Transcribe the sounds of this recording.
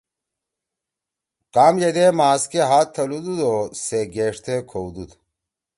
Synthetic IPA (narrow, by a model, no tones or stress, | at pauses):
qaːmjed̪emaːskeɦaːt̪ʰːɐlud̪ud̪oseɡeːʂt̪ʰekʰowd̪ud̪